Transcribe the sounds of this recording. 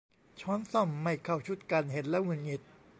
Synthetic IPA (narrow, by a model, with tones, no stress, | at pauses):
t͡ɕʰɔː˦˥˨nsɔ˧˩mːa˧˩jkʰa˧˩wt͡ɕʰu˦˥˩t̪̚ka˧nɦe˨˩˦n̚lɛː˦˥ŋu˧˩nŋi˨˩t̪̚